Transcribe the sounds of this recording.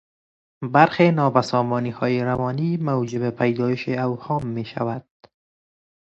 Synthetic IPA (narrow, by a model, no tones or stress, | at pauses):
baɾxenɒːbasɒmɔniːhɒːjeɾawɒːnimawd͡ʒɪbepʰajd̪ɒːjɪʃeawhɔːmːeːʃa̰wad̪̥̚